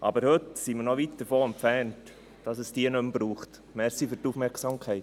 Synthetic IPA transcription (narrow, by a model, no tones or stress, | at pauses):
ʔɑbəɾhɵtsiməɾnɔʋit̚d̥əɾfoːɛmpfɛnt | d̥ɑsəsd̥iənɵmb̥ɾuːχt | mɛɾsifyɾtufmɛɾksɑmkʰɛɪt